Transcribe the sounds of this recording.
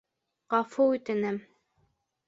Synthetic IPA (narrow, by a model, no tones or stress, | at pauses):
ʁɑfuʉt̪ɘ̆nɘm